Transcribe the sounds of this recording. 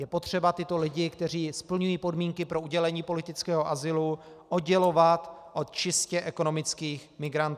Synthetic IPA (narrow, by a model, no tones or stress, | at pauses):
jɛpo̞t̪r̝̥ɛbat̪ɪt̪o̞lɪɟɪkt̪ɛriːspl̩ɲujiːpo̞dmiːŋkɪpɾo̞uɟɛlɛɲiːpo̞lɪt̪ɪt͡skɛːɦo̞ʔazɪlu | ʔod̪ɟɛlo̞vat̪ʔo̞t̪̚t͡ʃɪscɛʔɛko̞no̞mɪt͡skiːxmɪɡɾant̪ː